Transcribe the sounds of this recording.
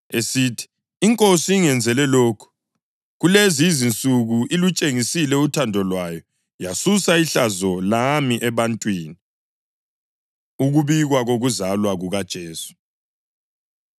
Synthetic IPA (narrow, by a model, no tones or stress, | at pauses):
esitʰi̥ː | ŋkʼosiiŋɛnd͡zʱɛlɛloːkʰu̥ | ɣulezizint͡sʼuɣuʔilut͡ʃʼeŋisilɛutʰandʱɔlwajɔ | jasusaiɬazɔlamiʔɛβantʼwiːni | uɣuβiɣwaɣoɣuzalwaɣuɣad̥ʒ̥ʱeːsu̥